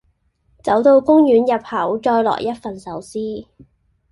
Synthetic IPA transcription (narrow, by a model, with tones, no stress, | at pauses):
t͡sɐ˨˥wt̪o˧wkʊ˥ŋjyː˨˥njɐ˨p̚hɐ˨˩˥wt͡ʃɔː˧jlɔ̰ː˨˩jɐ˥t̚fɐ˨nsɐ˨˥wsiː˥